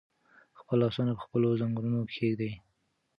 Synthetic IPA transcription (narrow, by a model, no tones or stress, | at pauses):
xpəlːɑsɑnapə̥xpəlozaŋɡɾunokʰeɡd̪aj